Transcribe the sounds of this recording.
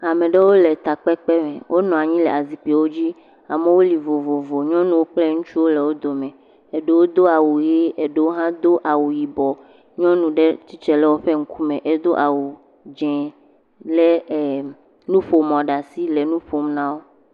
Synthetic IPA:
a˨mẽ˨ɖe˦wo˦le˨t̪a˨k͡pɛ˦k͡pɛ˦mẽ˨wʔo˦nɔ̃˨a˨ɲĩ˦lɛ˨a˨zi˨k͡pi˨wo˦d͡ʑi˦ | a˨me˦wo˦li˨vo˨vo˨vo˨ɲɔ̃˦nũ˨wo˦k͡plɛ˦ŋũ˦t͡ʃu˦wo˦le˨wo˦d̪o˨mɛ̃˨ | e˨ɖe˦wo˦d̪o˦a˨wu˨je˦e˨ɖe˨wo˦ɦã˦d̪o˦ʔa˨wu˨ji˨bɔ˨ | ɲɔ̃˦nũ˨ɖe˦t͡ɕi˦t͡ʃɛ˦lɛ˦wo˦ɸe˦ŋ̩̃˦ku˦mɛ̃˨ʔe˦d̪o˦ʔa˨wu˨ | d͡ʒɛ̃˨ | le˦˨ | nũ˦ɸo˨mɔ̃˨ɖa˨si˦le˨nũ˦ɸo˨m˦nã˦wo˦

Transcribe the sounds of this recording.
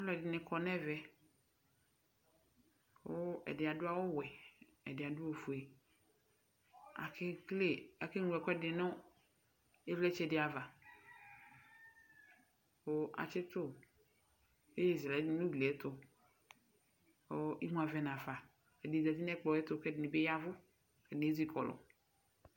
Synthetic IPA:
vlɛ˨dɪ˨nɪ̃˨kʰɔ˦nɛ̃˦vɛ˦ | wo˦ɛ̰˨dɪ˨a˨dʊ˦a˦wo˦wɛ˨ | ɛ̰˨dɪ˨a˨dʊ˦wo˨fu˨e˨ | a̰˨kʰe˦kle˨a˨ke˦nũ˨ɛ˨kɔ˦ɛ˦dɪ˨nʊ̃˦ | e˦vlɛ˦t͡ʃɛ˦˨dɪ˨a˨va˨ | wo˦ʔa̰˨t͡ʃɪ˦t̪ʊ˦ | e˦je˦˨za˨˦nũ˦ɡlɛ˦t̪ʊ˨ | o˦i˦mũ˨a˨vɛ˨nã˨fa˨ | ɛ˨dɪ˨da˨ti˦nɛ˦k͡pɔ˨ɛ˦t̪ʊ˦˨kɛ˦dɪ˨nɪ˨be˦ja˦vʊ˦ | kɛ˨ne˨˦zi˦kʰɔ˨lɔ̰˨

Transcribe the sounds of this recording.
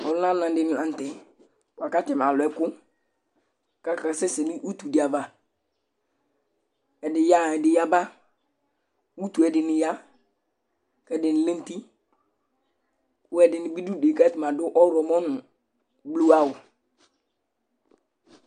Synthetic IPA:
ɔ˨lʊ˦na˦nã˨dɪ˦n˨ã˨n˨tɛ˨ | wa˨ka˦tɪ˨m˨a˨lʊ˨ɛ˦kʊ˦ | ka˦ka˨sɛ˦sɪ˨lɪ˦ʔu˦tu˨dɪ˨a˨ba˦ | ɛ˨dɪ˨ja˦˨ɛ˨dɪ˨ja˦ba˦ | u˦tu˨ɛ˨dɪ˨nɪ˨ja˦ | kɛ˦˨dɪ˨nɪ˨le˦n˦ti˦ | ʊ˦ɛ˨dɪ˨nɪ˨bi˦du˦˨de˨ka˦tɪ˨ma˨dʊ˦ʔɔ˦ɾɔ˨mɔ˦nʊ˨ | blu˦a˦wʊ˨

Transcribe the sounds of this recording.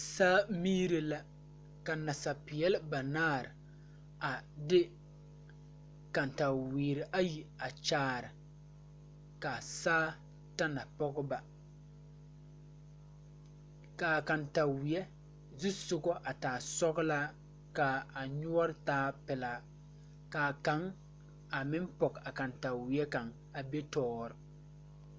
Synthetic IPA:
saː˦miː˦ɾɪ˨la˨ | ka˨na˨sa˨pɪ˨ɛ˦lɪ˦ba˨naː˦˨ɾɪ˨ | a˨dɪ˦ | ka˨n˨ta˨wiː˨ɾɪ˨ʔa˦ji˨a˨t͡ʃaː˨˦˨ɾɪ˨ | ka˨saː˦ | ta˦na˨pɔ˦ɡʊ˦ba˨ | ka˨ka˨nta˨wɪ˨ɛ˦ | zi˦sʊ˨ɡɔ˦ʔa˨taː˨sɔ˦ɡla˦ | ka˨a˨ɲʊ˦ɔ˦ɾɪ˦taː˦pɪ˨la˨ | ka˨ka˨˦ŋ | a˨mɪ̃˦mpɔ˨ka˨ka˨nta˨wɪ˨ɛ˦ka˨ŋ | a˨be˦tɔː˦ɾɪ˨

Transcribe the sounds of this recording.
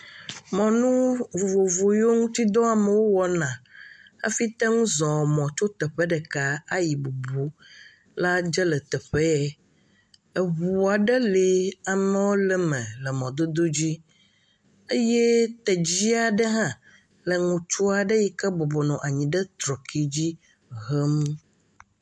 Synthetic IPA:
mɔ̃˨nũ˦vo˨vo˨vo˨jo˦ŋũ˦t̪i˦d̪ɔ˦a˨me˨wo˦wɔ˨nã˨ə̰˦fi˦t̪ɛ˦ŋũ˦zɔ̃˨mɔ̃˨t͡ʃo˦t̪ɛ˨ɸɛ˦ɖɛ˨ka˦a˦ji˨bu˨bu˦ | la˦d͡ʒə˦lə˨t̪ɛ˨ɸɛ˦ɛ˦ | ə˨βu˨a˨ɖə˦li˨a˨mɛ̃˨wo˦lə˨mɛ̃˨lə˨mɔ̃˨d̪o˦d̪o˦d͡ʑi˦ | e˦jɛ˦t̪ɛ˨d͡ʑi˦a˨ɖə˦ɦã˦ | lə˨ŋũ˨t͡ʃu˦a˨ɖə˦ji˨kə˦bɔ˨bɔ˨nɔ̃˨ʔa˨ɲĩ˨ɖə˦t̪ɾɔ˨kʰi˦d͡ʑi˦ | ɦə˦m̃˦

